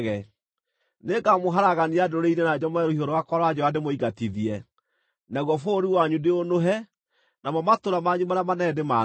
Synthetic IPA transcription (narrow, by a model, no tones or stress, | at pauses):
ɣɛ | neɡamoɦaɾaɣaniadoɾeinenad͡ʑɔmɛɾohioɾɔwakwɔɾɔad͡ʒɔwademoiɡatiðiɛ | naɣwɔfoɾiwaɲudeonoɦɛ | namɔmatoɾamaɲumaɾeamanɛdema